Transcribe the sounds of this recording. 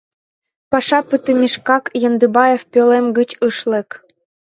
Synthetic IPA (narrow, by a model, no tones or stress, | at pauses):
pɑʃɑpyt̪əmʲiʃkɑkjɤ̆nd̪ɯbɑjefpʲølemɡə̆t͡ɕɯʃlĕk